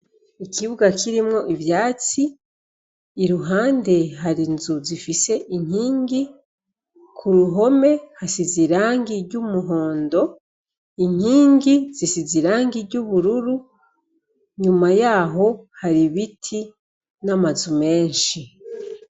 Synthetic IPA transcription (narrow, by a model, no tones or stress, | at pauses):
ikʰiβuɡakʰiɾimŋo̞ʔivjaːt͡si | ɾuɦaːnde̞ɦaɾinzuzifise̞ʔiɲ̥hiːŋɡi | kʰuɾuɦo̞me̞hasiziɾaːŋɡiɾɟumuɦo̞ːndo̞ | iɲ̥hiːŋɡiz̥isiziɾaːŋɡiɾɟuβuɾuɾu | ɲumajaːɦo̞haɾiβitʰi | namazume̞ːnʃi